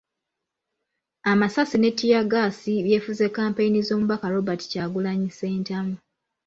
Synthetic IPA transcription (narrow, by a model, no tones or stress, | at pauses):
amasasine̞tːijaɡasiβje̞ːfuze̞kːaːmpeinizo̞ːmuβakaɾo̞bati̥caɡulaɲise̞ːntamu